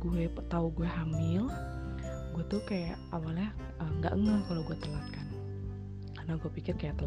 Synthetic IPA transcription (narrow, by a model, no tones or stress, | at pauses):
ɡuɛt̪auɡuɛhamɪl | ɡuɛt̪ukajaʔawaljahʔəŋɡa̰ʔəŋəŋkaloɡuɛt̪əlat̪̚kan | karnaɡuapikɪrkajaʔt̪əl